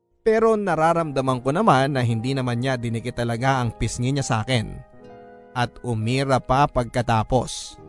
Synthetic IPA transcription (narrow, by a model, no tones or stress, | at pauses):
pɛːɾo̞nɐɾaːɾɐmd̪ɐmɐŋko̞nɐmanːɐɦɪnd̪iːnɐmanɲad̪ɪnɪkɪt̪ɐlɐɡaʔɐŋpɪsŋɪɲasɐʔa̰ːkɛn | ʔɐt̪ʊmiːɾɐpɐpɐɡ̚kɐt̪aːpo̞̰s